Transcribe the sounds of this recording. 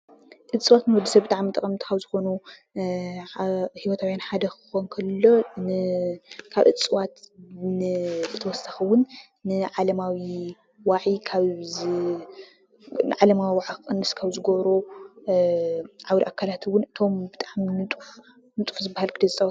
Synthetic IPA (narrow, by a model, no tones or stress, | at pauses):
ʔɨt͡sʼɨwat̪nɨwɔd̪ɐsɐbɨt̪ʼaʕmit̪ʼɐkʼɐmnt̪ɨxawzɨxo̞nu | hiwɔt̪ʰawjanħad̪ɐxɨ̥xonkʰɐlːo̞ | kʰaβʔɨ̰t͡sʼɨwat̪nɨzɨt̪ʰɐwɔsɐxɨwʊnː | ɨʕalɐmawi | waʕikʰaβ | nɨʕalɐmawiwaʕakɨkʼɨnːɨskʰaβzɨɡoβɾo | ʕawɾiʔakʰːalat̪ʰwːʊnɨt̪ʰo̞mbɨt̪ʼaʕminɨt̪ʼuħ | nɨt̪ʼu̥ħzɨbːahalkʰɨd̪ɐzt͡sʼɐw